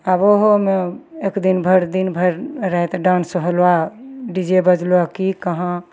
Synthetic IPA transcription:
aboɦomeekd̪inbʱəɾd̪inbʱəɾɾɛet̪ɖansəɦəlaɖid͡ʒebəd͡ʒluakikəɦã

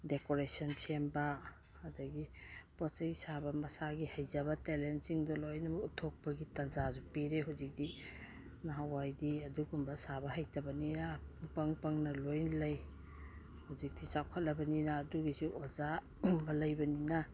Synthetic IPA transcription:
dekoɾesɔnsʰembaː | dɐɡipɔt͡ʃɐjsabɐmɐsaɡihajzɐbɐtelensiŋdɔlojnɐmɐutʰɔk̚pɐɡitɐnd͡ʒazupiɾeɦuzik̚di | naɦawajdiɐduɡumbɐsabɐɦɐjtɐbɐninapɐŋpɐŋnɐlojnlɐj | huzik̚d̥isawkʰɐt̚lɐbɐninaːduɡisuʔɔza | bɐlɐjbɐnina

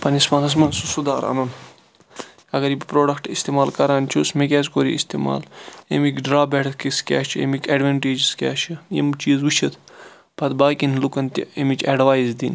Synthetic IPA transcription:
pɐnismɐnɐs̬mɐnsusud̪aːɾɐ̰nɐn | ɐɡɐɾibpɾoːɖɐkʈist̪eːmaːlkɐɾaːnt͡ʃʰusmekʲɛːzkoːɾḭḭst̪iːma̰ːlḛmikɖɾaːbeʈ̪ʰkiskʲa̰ːt͡ʃʰḛmikeːɖʋɐɳʈeːd͡ʒskʲa̰ːʃʰijḭmt͡ʃiːzʋuʃʰit̪ʰ | pʰɐt̪baːkinlukɐnt̪ʲḭemit͡ʃeɖʋaːjzd̪in

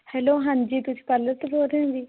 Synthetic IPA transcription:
hɛːloːɦand͡ʒiːt̪ʊsiːpələt̪boːɾẽd̪iː

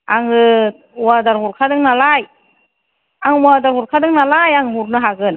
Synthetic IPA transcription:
aŋɯ | wadaɾɦuɾkʰadɯŋnalaj | aŋmadaɾɦuɾkʰadɯŋnalajaŋmuɾnɯɦaɡɯn

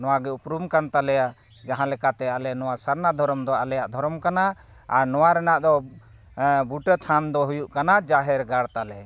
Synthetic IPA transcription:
nɔwaɡɛupɾumkant̪alɛja | d͡ʒaɦãlɛkat̪ɛalɛnɔwasaɾnad̪ʱɔɾɔmd̪ɔalɛjaʔd̪ʱɔɾɔmkanaː | ɾnɔwaɾɛnaʔd̪ɔ | buʈət̪ʰand̪ɔɦujuʔkanad͡ʒaɦɛɾɡaɽt̪alɛ

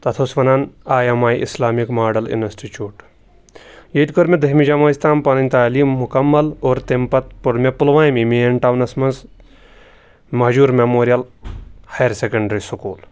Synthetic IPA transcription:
t̪ɐt̪ʰoːsʋɐnaːnaːjɐmaːjʔḭslaːmikmaːɖɐlṵnɐsʈit͡ʃuːʈ | jet̪ʲkoɾmʲed̪ɐɦmid͡ʒɐmaːsʲt̪ʰaːmpɐnɐnʲt̪aːliːmːukɐmːɐloːɾt̪empɐt̪̚puɽmepulʋãːjmimeɐɳʈaːwnɐsmɐnz | mɐɦd͡ʒuːɾmemoːɾijɐlhɐjɾsekɐɳɖɐɾisukuːl

